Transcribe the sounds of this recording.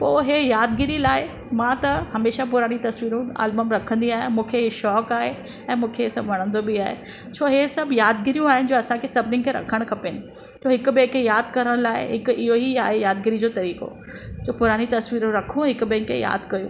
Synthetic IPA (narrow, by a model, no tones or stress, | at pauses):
poːɦejaːd̪ɡɪɾilaːɪ | mãːt̪ɐhɐmeːʃapʊɾaːñit̪ɐsʋiːɾũa̰ːlbəmɾɐkʰə̃nd̪iaːɦɪmũːkʰeʃɔːkaːɦe | ɛ̃ːmũːkʰesɐbʋɐɽ̤̃ə̃nd̪obɪaːɦḛ | t͡ɕʰoːɦesɐbjaːd̪ɡɪɾijũaːɦɪnɪ̆d͡ʑoːɐsãkʰesɐbnɪ̃ŋkʰeɾɐ̰kʰəɽ̃kʰɐpeːnɪ̆ | t̪ʰoːɦɪkʊbẽːkʰejaːd̪kɐɾəɽ̃laːɪ̰ɦɪkʊɪɦoiaːɦejaːd̪ɡɪɾid͡ʑoːt̪ɐɾiːko̰ | d͡ʑoːpʊɾaːɽ̃it̪ɐsʋiːɾũɾɐkʰũɦɪkʊ̆bẽkʰḛja̰ːd̪kɐjṵ̃ː